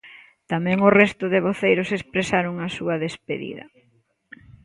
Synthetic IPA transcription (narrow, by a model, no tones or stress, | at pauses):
t̪amɛ̃ŋʊrɛst̪ʊðɪβoθejɾʊsespɾesaɾʊŋasuɐðespḛðḭðɐ̰